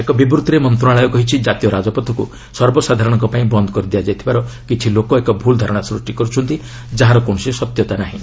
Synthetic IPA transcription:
ekɔbibɾut̪ɾemɔnt̪ɾɔaɭɔjɔkɔɦit͡ʃʰid͡ʒat̪ijɔɾad͡ʒɔpɔt̪ʰɔku | sɔɾbɔsad̪ʱaɾɔɽ̃ɔŋkɔpaĩbɔnd̪ʱɔkɔɾid̪ijad͡ʒajt̪ʰibaɾɔkit͡ʃʰilokɔekɔbʱuld̪ʱaɾɔɽ̃asɾusʈikɔɾut͡ʃʰɔnt̪i | d͡ʒaɦaɾɔkõɔsisɔt̪jɔt̪anaɦḭ̃

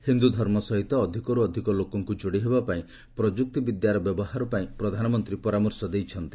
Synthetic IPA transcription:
hind̪ud̪ʱɔɾmɔsɔɦit̪ɔːd̪ʱikɔɾuɔd̪ʱikɔlokɔŋkud͡ʒoɽiɦebapaĩ | pɾɔd͡ʒuk̚t̪ibid̪jaɾɔbjɔbɔhaɾɔpaĩpɾɔd̪ʱanɔmɔnt̪ɾipɔɾamɔɾsɔd̪ejt͡ʃʰɔnt̪i̥

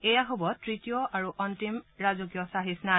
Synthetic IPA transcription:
ejaɦobɔtɹitijɔʔaɹuʔɔntimɹazukjɔsaɦisna

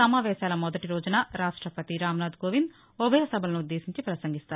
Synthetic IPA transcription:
ɐmaːʋɛːʃaːlɐmɔd̪ɐʈiɾoːd͡ʒɐnaːɾaːʂʈɾɐpɐt̪iɾaːmnaːd̪ɡoːʋind̪ | ubʱɐjɐsɐbʱɐlɐnuud̪ːeːsiɲt͡ʃipɾɐsɐŋɡist̪aːɾu

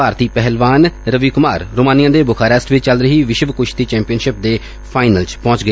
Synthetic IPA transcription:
aːɾt̪iːpɛɦəlʋaːnɾəʋiːkʊmaːɾɾoːmãːnijãːd̪eːbʊkʰaːɾɛːsʈʋɪt͡ʃt͡ʃəlɾəɦiːʋɪʃəʋkʊʃt̪iːt͡ʃɛ̃ːmpijənʃɪp̚d̪eː | pʰaːɪnəlt͡ʃpɔ̃ːt͡ʃɡəe

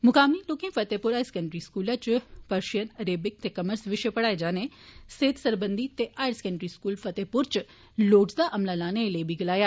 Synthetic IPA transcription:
mʊkaːmilʊkɪ̃ŋfɐt̪eːpʊɾaːɪskɐɳɖɾiskuːlat͡ʃpɐɾʃijənɐɾeːbɪk̚t̪ekɐməɾsʋɪʃepɐɽaːed͡ʒaːneseːt̪sɐɾbə̃nd̪it̪eʔaːɪɾskəɳɖɾiskuːlfɐt̪eːpʊɾt͡ʃ | loːʈzd̪aʔɐmlalaːnelebʱiɡɐlaːjaː

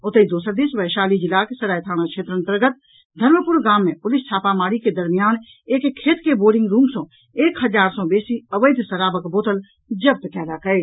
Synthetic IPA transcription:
ʊt̪əid̪oːsəɾd̪iːsʋəjʃaːlid͡ʒɪlaːksɐɾaːjt̪ʰaːɽ̃akʃʰeːt̪ɾə̃nt̪əɾɡət̪̚ | d̪ʱɐɾməpʊɾɡaːmːẽpʊlɪst͡ʃʰaːpamaːɽiked̪ɐɾmijaːn | eːkkʰːeːt̪keboːɾɖɪ̃ŋɡɾuːmsõ | eːkɦɐzaːɾsɔ̃beːsiɐʋəɪd̪ʱsɐɾaːbəkboːt̪əl | d͡ʒɐb̚t̪kɛːlakɐeː

